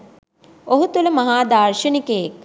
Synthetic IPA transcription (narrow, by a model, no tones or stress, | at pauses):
oɦut̪uləmɐɦaːd̪arʃənikəjek̚